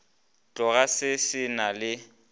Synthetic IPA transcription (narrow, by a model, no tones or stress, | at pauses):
t͡ɬʼɔɣasɪsɪnalɪ